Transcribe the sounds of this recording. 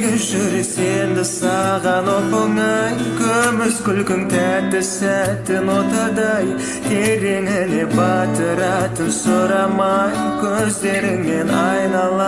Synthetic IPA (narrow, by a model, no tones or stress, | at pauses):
ɡʲɪʒʏɾsend̪ɪsɑʁɑnopəŋɑjkʲʰɵmɪzkʲʏlkʲɪŋt̪ʰæt̪ːɪsæt̪ːɪnwo̞t̪ɑd̪ɑj | k̪ʲʰe̞ɾe̞ŋɪne̞bɑt̪əɾɑt̪ənsoɾɑmɑjkʲʰɵzd̪e̞ɾɪŋme̞nɑ̰jnɑlˠɑ